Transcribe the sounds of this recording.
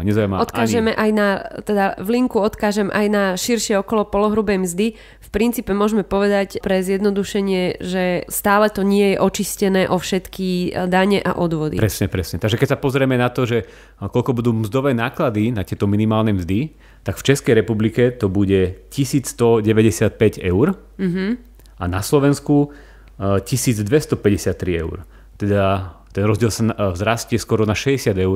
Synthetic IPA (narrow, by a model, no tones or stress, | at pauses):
ɲɛzajmaɔt̪kaːʒɛmɛʔajnat̪ɛd̪aʋliŋkuɔt̪kaːʒɛmɛʔajnaʃiɾʃɪɛɔkɔlɔpɔlɔɦɾubɛjmzd̪i | fpɾint̪t͡siːpɛmʊɔʒmɛpɔʋɛd̪acpɾɛzjɛd̪nɔd̪uʃɛɲɪɛʒɛst̪aːlɛt̪ɔɲɪɛjɛʔɔt͡ʃiscɛnɛːʔɔfʃɛt̪kid̪aɲɛʔa̰ʔɔd̪ʋɔd̪ḭpɾɛsɲɛpɾɛsɲɛt̪aɡʒɛkɛcsapɔzɾɛmɛnat̪ɔʒɛ | kɔlkɔbud̪uːmzd̪ɔʋɛːnaːklad̪inat̪ɪɛt̪ɔminimaːlnɛmzd̪i | t̪aɡ̥ft͡ʃɛskɛjɾɛpublikɛt̪ɔbuɟɛcisiːt͡sst̪ɔɟɛʋɛɟɛsɪat̪̚pɛɟɛʊɾ | m̩ɦ̩ | anaslɔʋɛnsku | cisiːd͡zd̪ʋɛst̪ɔpɛɟɛsɪat̪ːɾiɛ̰ʊɾ | t̪ɛd̪at̪ɛnɾɔzɟɪɛlsavzɾascɛskwɔɾɔnaʃɛɟɛsɪad̪ɛʊɾ